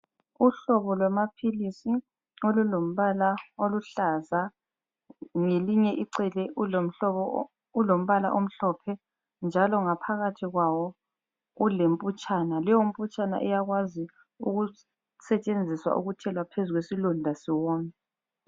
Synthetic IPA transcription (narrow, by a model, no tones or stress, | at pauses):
uɬɔβɔlwamapʰilisi | olulom̩βalaoluɬaza | ŋeliɲɛʔiǀɛlɛum̩ɔɔ | ulom̩βala̰ʔom̩ɬɔpʰɛ | nd͡ʒʱalɔŋapʰaɣatʰiɣwawɔ | ulem̩pʼut͡ʃʼanalɛjom̩pʼut͡ʃʼana̰ʔɛjaɣwazi | ṵɣu | sɛt͡ʃʼend͡zʱiswa̰ʔuɣut͡ʃʰɛlwapʰezuɣwesilɔndʱasiwɔːmɛ